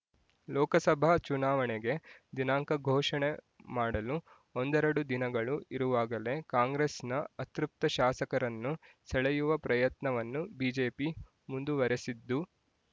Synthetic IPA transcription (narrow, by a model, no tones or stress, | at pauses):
lɔːkɐsɐbʱat͡ʃunaːʋɐɳɛɡe̞d̪inaːŋkɐɡʱɔːʂɐɳe | maːɽɐlu | ond̪ɛɾɐɽud̪inɐɡɐɭuʔiɾuʋaːɡɐle̞kaːŋɡɾesnɐɐt̪ɾup̚t̪ɐʃaːsɐkɐɾɐnːu | sɛɭejuʋɐpɾɐjɐt̪nɐʋɐnːubiːd͡ʒeːpi | mund̪uʋɐɾesid̪ːu